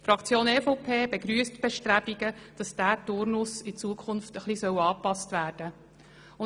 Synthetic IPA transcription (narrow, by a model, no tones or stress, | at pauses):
fɾɑkt͡sjoːneːfopʰeːbeɡɾyəstb̥ɛʃtɾæbiɡəd̥ɑsd̥æːtʊɾnʊsɪt͡suəkʰχʊnftəχlisœwɑːpɑstʋæːrd̥ə | ʊ